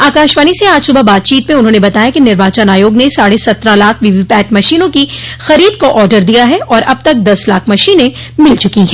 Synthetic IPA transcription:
aːkaːʃʋaːniseaːd͡ʒsʊbabaːt̪̚t͡ʃiːt̪mẽʊnɦõːnebɐt̪aːjakinɪɾʋaːt͡ʃanaːjoːɡnesaːɽesɐt̪ɾalaːkʰʋiʋipɛːʈmɐʃiːnõkixɐɾiːd̪koʔɔːɾɖəɾd̪ijaɦɛʔɔːɾʔɐb̚t̪ɐk̚d̪ɐslaːkʰmɐʃiːnẽ | mɪlt͡ʃʊkiɦɛː

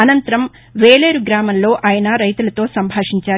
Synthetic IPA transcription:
ɐnɐnt̪ɐɾɐm | ʋeːleːɾuɡɾaːmɐmlo̞ːʔaːjɐnɐɾɐjt̪ulɐt̪o̞ːsɐmbʱaːʂiɲt͡ʃaː

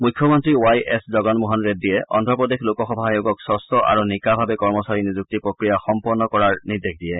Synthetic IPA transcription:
mukʰːjɔmɔntɹiwajɛszɔɡɔnmuɦɔnɹet̚dijɛʔɔ̰ndʱɔpɹɔdexlokɔxɔbʱajoɡɔksɔstɔʔa̰ɹunikabʱabɛkɔɹmɔsaɹinizuk̚tipɹokɹijaxɔmpɔɹnɔkɔɹaɹnidekʰdijɛ

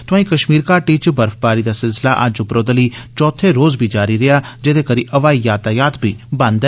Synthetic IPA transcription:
t̪ʊãːĩːkəʃmiːɾkaːʈiːt͡ʃbəɾfbaːɾiːd̪aːsɪlsɪla̰ʔə̰d͡ʒʊpɾoːd̪əliːt͡ʃɔːt̪ʰeːɾoːzbʱiːd͡ʒaːɾiɾeaːd͡ʒed̪eːkəɾiːʔəʋaːijaːt̪aːjaːt̪bʱiːbə̃nd̪ɛ

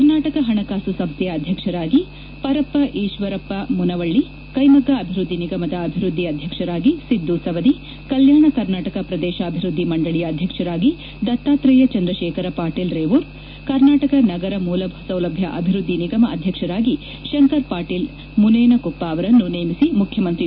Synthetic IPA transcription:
kɐɾnaːʈɐkɐɦɐɳɐkaːsusɐmsjɐːd̪ʱjɐkʂɐɾaːɡi | pɐɾɐpːɐʔiːʃʋɐɾɐpːɐmunɐʋɐɭːi | kɐjmɐɡɐːbʱiɾud̪ːiniɡɐmɐd̪ɐːbʱiɾud̪ʱːiɐd̪ʱjɐkʂɐɾaːɡisid̪ːusɐʋɐd̪i | kɐljaːɳɐkɐɾnaːʈɐkɐpɾɐd̪ɛːʃɐːbʱiɾud̪ʱːimɐɳɖɐɭijɐːd̪ʱjɐkʂɐɾaːɡi | d̪ɐt̪ːaːt̪ɾɐjɐt͡ʃɐnd̪ɾɐʃɛːkɐɾɐpaːɾʈiːlɾeːʋuɾ | kɐɾnaːʈɐkɐnɐɡɐɾɐmuːlɐbʱɐsɐwlɐbʱjɐʔɐ̰bʱiɾud̪ʱːiniɡɐmɐʔɐd̪ʱjɐkʂɐɾaːɡi | ʃɐŋkɐɾpaːʈiːl | muneːnɐkupːaːɐʋɐɾɐnːunejmisimukʰjɐmɐnt̪ɾi

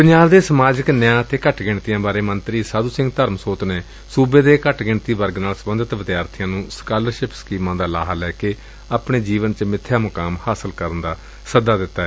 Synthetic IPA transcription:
pəɲd͡ʒaːbd̪eːsəmaːd͡ʒəknjãːt̪eːkəʈʰɡɪɳt̪ijãːbaːɾeːmənt̪ɾiːsaːd̪uːsɪ̃ŋɡt̪əɾmsoːt̪neː | suːbeːd̪eːkəʈʰɡɪɳt̪iːbəɾɡnaːlsəbənd̪ət̪ʋəd̪jaːɾt̪ʰɪjãːnũːskaːləɾʃɪpskiːmãːd̪aːla̰ːɦalɛːkeː | aːpɳeːd͡ʒiːʋənt͡ʃəmɪt̪ʰːjaːmʊkaːmhaːsəlkəɾənd̪aː | səd̪aːd̪ɪt̪ːaːɛː

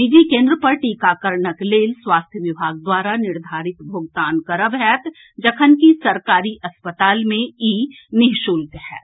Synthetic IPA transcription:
bid͡ʒikẽːnd̪ɾəpɐɾʈiːkaːkəɾɳəkleːlswaːst̪ʰjəʋɪbʱaːɡ̚d̪waːɾanɪɾd̪ʱaːɾɪt̪bʱoːɡt̪aːnkɐɾəbɦɛːt̪ | d͡ʒəkʰənkisɐɾkaːɾiʔɐspət̪aːlmẽiː | nɪɦʃuːlt̪ɦɛ̰ː

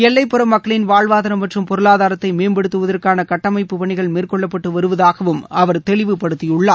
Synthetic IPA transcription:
ɛlːɐɪpːɯɾɐmːɐkːɐɭɪnʋaːɭʋaːðɐnɐmːɐʈrɯmpɔɾɯɭaːðaːɾɐt̪ːɐɪmeːmbɛɽɯt̪ːɯʋɐðɐrkaːnɐkɐʈːɐmɐɪpːɯpɐɳɪɣɐɭmeːrkɔɭːɐpːɐʈːɯʋɐɾɯʋɐðaːɣɐʋɯmɐʋɐɾt̪ɛɭɪʋɯpɐɽɯt̪ːɪjʊɭːaː

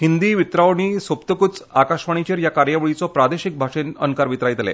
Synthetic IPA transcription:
ɦind̪iːʋit̪ɾaʋɳiːsopt̪əkut͡sakaʂʋaɳ̃it͡ɕeɾjakaɾjaʋɭit͡sɔpɾad̪eɕik̚bʱaʂenənkaɾʋit̪ɾajt̪lḛ

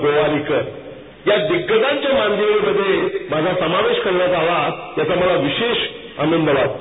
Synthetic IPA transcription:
ɡoʋaɾikə | jad̪iɡːəd̪ãɲt͡ɕjamand̪ʱeɭiməd̪ʱːjemad͡zʱasəmaʋeɕkəɾlat͡saaʋajat͡saməlaʋiɕeɕ | anənd̪ʱəʋat̪

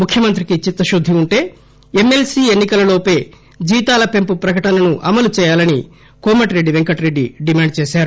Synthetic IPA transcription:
mukʰjɐmɐnt̪ɾikit͡ʃit̪ːɐʃud̪ʱːiuɳʈe̞ː | emːe̞lsiːenːikɐlɐloːpeː | d͡ʒiːt̪aːlɐpe̞mpupɾɐkɐʈɐnɐnuʔɐmɐlut͡ʃɛːjaːlɐni | koːmɐʈɾe̞ɖːiʋe̞ŋkɐʈɾe̞ɖːiɖimaːɳɖ̚t͡ʃeːʃaːɾu

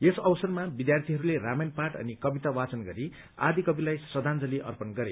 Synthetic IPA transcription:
esʌwsʌrmabid̪jart̪ʰiɦʌɾuleramenpaʈʌ̰nikʌbit̪awat͡sʌnɡʌɾi | a̰d̪ikʌbilajsʌd̪ʱand͡zʌliʔʌ̰rpʌnɡʌɾe

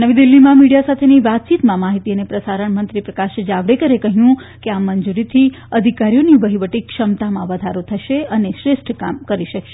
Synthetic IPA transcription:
nəʋid̪ilːimãmiɽijasat̪ʰeniʋat̪̚t͡ʃit̪mãmaɦit̪iənepɾəsaɾəɳmənt̪ɾipɾəkaʃd͡ʒaʋɽekəɾekəɦjũkeamːənd͡ʒuɾit̪ʰi | əd̪ʱikaɾijoniʋəɦiʋəʈikʃəmt̪amãʋəd̪ʱaɾot̪ʰəʃeəneʃɾeʃʈʰkamkəɾiʃəkʃe

